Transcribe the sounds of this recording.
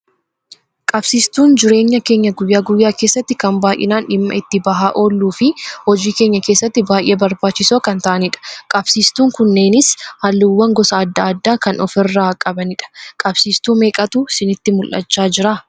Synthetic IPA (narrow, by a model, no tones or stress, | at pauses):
kʼɐbsiːst̪uːnd͡ʒɪɾe̞ːɲːɐke̞ːɲːɐɡʊjːaːɡʊjːaːkeːsːɐt̪ːɪkɐmbaːjʔɪ̰naːnᶑɪmːɐ̰ɪt̪ːɪbɐɦaːʔo̞ːlːuːfɪhɔd͡ʒiːkeːɲːɐke̞ːsːɐt̪ːɪbaːʔeːbɐɾbaːt͡ʃːɪsoːkɐnt̪ɐʔɐnɪᶑɐ̥kʼɐb̥siːst̪uːŋkʊnːe̞ːnɪshɐlːɪwːɐŋɡɔsɐːd̪ːɐːd̪ːaːkɐnɔfɪrːaːkʼɐbɐnɪᶑɐ̥kʼɐb̥siːst̪uːme̞ːkʼɐt̪uːsɪnɪt̪ːɪmʊlʔɐ̰t͡ʃːaːd͡ʒɪɾaː